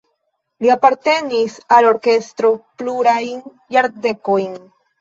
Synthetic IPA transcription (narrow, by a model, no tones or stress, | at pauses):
liapaɾt̪e̞nisalo̞ɾke̞st̪ɾo̞pluɾajn | jaɾd̪ekojn